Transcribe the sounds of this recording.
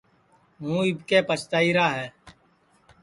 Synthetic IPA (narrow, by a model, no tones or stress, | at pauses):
ɦũːɪbkeːpət͡ʃt̪aːiːɾaːɦɛː